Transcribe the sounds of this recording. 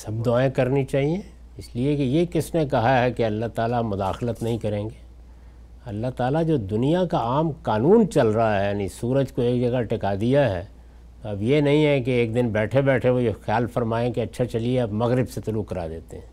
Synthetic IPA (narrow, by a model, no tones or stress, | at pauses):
sɐb̚d̪ʊaːẽkɐɾnit͡ʃaːɦiẽ | ɪsliekejekɪsnekɐɦaɦɛkeɐlːaɦt̪aːlamʊd̪aːxlət̪nɐɦĩkɐɾẽːŋɡeː | ɐlːaɦt̪aːlad͡ʒoːd̪ʊnijakaaːmkaːnuːnt͡ʃɐlɾaɦaɦɛjaːnĩsuːɾəd͡ʒkoeːkd͡ʒɐɡaʈɪkaːd̪ijaɦɛː | t̪ɐbjenɐɦĩɦɛkeeːk̚d̪ɪnbɛːʈʰebɛːʈʰeʋojexjaːlfɐɾmaːẽkeɐtːʃʰat͡ʃɐlieɐbmɐɣɾɪbset̪ʊluːkːɐɾa̰ːd̪eːt̪eɦɛ̃ː